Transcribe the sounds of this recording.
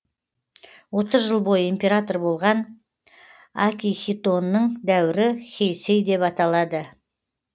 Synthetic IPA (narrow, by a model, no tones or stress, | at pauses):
wo̞t̪əzʒəlˠbo̞jəimpʲe̞ɾat̪o̞rbo̞lˠʁɑn | akʲijxʲit̪o̞nːəɴd̪æwɪɾɪxʲejse̞jd̪e̞pɑt̪ɑlˠɑd̪ə